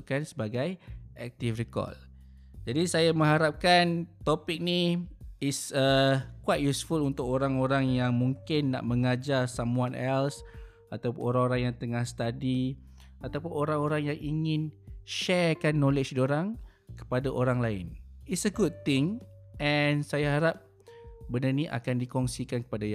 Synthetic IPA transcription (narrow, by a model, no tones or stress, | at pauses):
kansəbaɡajʔɛk̚t̪ifrikɔ̰l | d͡ʒadisajamə̃ŋɦaɾap̚kant̪opɪk̚niɪsəkuwajt̚jusfulunt̪ʊk̚oɾaŋoɾaŋjaŋmũŋkɪnːa̰ʔmə̃ŋad͡ʒarsamuanʔɛls | at̪awpʊnoɾaŋoɾaŋjaŋt̪əŋahsə̥t̪adi | at̪awpʊnoɾaŋoɾaŋjaŋʔiŋɪ̃nʃɛrkanːolet͡ʃdoɾaŋ | kə̥padaʔoɾaŋlaɪ̰nitsəɡud̚t̪ɪŋ | ʔɛnsajaɦaɾap̚ | bənaniʔa̰kandikɔŋsikankə̥padaja